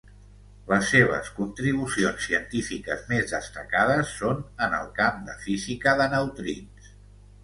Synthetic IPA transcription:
ləsːeβ̞ə̰skunt̪ɾiβ̞usionsːiənt̪ifikə̰zmezðəst̪əkað̞əsːonənə̰lˠkamd̪ə̰fizikəðənəwt̪ɾḭns

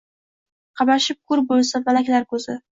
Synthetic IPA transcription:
qʰɑmaʃɪp̚kʰʊɾbolˠsavalakʲlaɾkʰɵzɪ

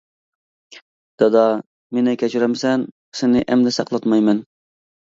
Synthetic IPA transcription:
d̪̥ɛd̪ɑ | menɛkʲɛt͡ʃʰiɾɛmsɛn | sɪnɪʔɛmd̪ɛsɑqlˠɑt̪mɑjmɛn

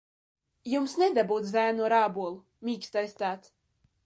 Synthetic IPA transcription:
jumsnʲed̪abuːt̪zæːnuɔɾaːbuɔlˠu | mʲiːkst̪ajst̪aːt̪s

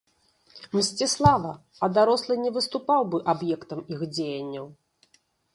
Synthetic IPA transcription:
msʲt͡sʲɛslˠavɐ | ɐd̪aɾɔslˠɨnʲɛvɨst̪upawbɨʔabjɛkt̪ɐmixd͡zʲejɐnʲːɐw

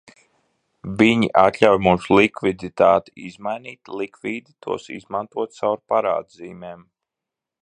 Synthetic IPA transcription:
viɲiʔat̪lʲawjmuːsulˠikvid̪it̪aːt̪iizmajniːt̪lˠikviːd̪it̪ʰṵɔsḭzmant̪uɔt̪̚sawɾpaɾa̰ːd̪ziːmɛːm

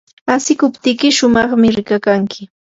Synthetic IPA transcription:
asɪkʊpt̪ɪkɪʃʊmɑχmɪɾɪkakaŋkɪ

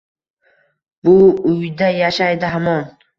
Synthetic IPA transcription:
bʊʊjd̪ajaʃajd̪ɪɦamɒn

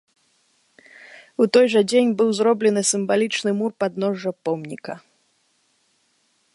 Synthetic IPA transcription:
ut̪ɔjʐɐd͡zʲenʲbɨwzɾɔblʲɛnɨsʲɨmvalʲit͡ʂnɨmurpad̪̚nɔʐːɐpɔmnʲikɐ

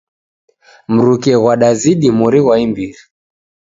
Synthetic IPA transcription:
m̩ɾukɛɣwaɗaziɗimuɾiɣwaimbiɾi

